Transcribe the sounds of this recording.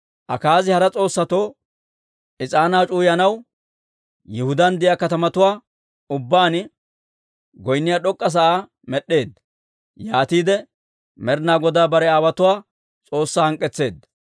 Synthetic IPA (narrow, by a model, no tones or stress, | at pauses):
ʔɐkaːzɪhɐɾɐt͡sʼo̞ːsːɐt̪o̞ː | ʔɪt͡sʼaːnaːt͡ʃʼuːjɐnɐw | jɪhʊd̪ɐnd̪ɪjakɐt̪ɐmɐt̪ʊwaː | ʊbːaːn | ɡɔjnːɪjaːɗɔkʼːɐs̬ɐʔaː | mɛɗe̞ːd̪ːɐ | jaːt̪iːd̪ɛ | mɛɾnaːɡɔd̪aːbɐɾɛaːwɐt̪ʊwaː | t͡sʼo̞ːsːahɐŋkʼːɛt͡sːe̞ːd̪ːɐ